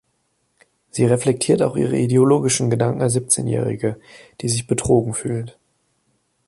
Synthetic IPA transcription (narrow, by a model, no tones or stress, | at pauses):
z̥iːʁɛflɛk̚tʰiːɐtaʊxʔḭːʁ̞ə̰ʔideoloːɡɪʃn̩ɡədaŋkŋ̩azip̚t͡sḛːnjɛ̰ːʁɪ̰ɡəd̥iːzɪçb̥ətʁ̥oːɡŋ̩fyːlt